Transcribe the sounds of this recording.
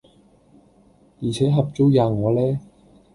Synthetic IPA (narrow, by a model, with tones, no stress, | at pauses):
jiː˨˩t͡sʰɛː˨˥ɦɐ˨p̚t͡so˥wjaː˨˧ŋɔː˨˧lɛː˥